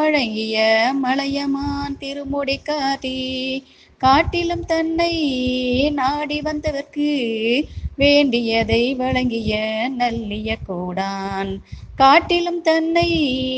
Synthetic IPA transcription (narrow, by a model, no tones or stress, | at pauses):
ɐɻɐŋɡɪjɐmɐɭɐjɐmaːnt̪ɪɾɯmɔɽikːaːʈi | kaːʈːɪlɯmt̪ɐnːɐɪ | naːɽiʋɐnd̪ɐðɐrkɯ | ʋeːɳɖɪjɐðɐɪʋɐɻɐŋɡɪjɐnɐlːɪjɐkːuːɽaːnkaːʈːɪlɯmt̪ɐnːɐɪ